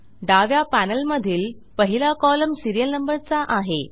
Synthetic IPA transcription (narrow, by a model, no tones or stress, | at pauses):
ɖaʋjapænəlməd̪ʱiːl | pəɦilakɔləmsiɾijəlnəmbəɾt͡saʔaɦe